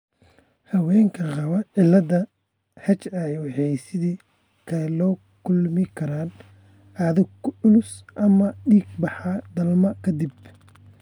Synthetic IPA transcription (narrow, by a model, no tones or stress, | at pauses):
hɐwɛːŋkʰɐqɑβɐʕɪlːɐðɐ | hɐt͡ʃɐɛjwħɛsɪðiː | kʰɐlɔː | kʰʊlmɪkʰɐɾaːn | aðʊʊlʊsʔɐmɐɖiːɡbɑħɑd̪ɐlmɐkʰɐd̪ɪb